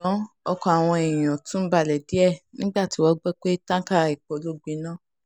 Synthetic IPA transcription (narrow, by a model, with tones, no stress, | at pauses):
ɔ˧kɔ˧˨a˨w̃ɔ̃˧e˨j̃ã˨tũ˦n̩˦ba˧˨lɛ˨di˨˦ɛ˦˨nĩ˦ɡ͡ba˦˨ti˨˦wɔ˦ɡ͡bɛ˦k͡pe˦tã˦ka˦˨i˨k͡po˨˦lo˦ɡ͡bĩ˨˦nã˦˨